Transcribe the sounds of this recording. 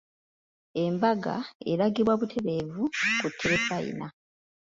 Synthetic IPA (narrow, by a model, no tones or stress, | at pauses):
e̞mbaɡa̰eɾaɡiβwaβutʰe̞βe̞ːvukutʰːeβefajḭna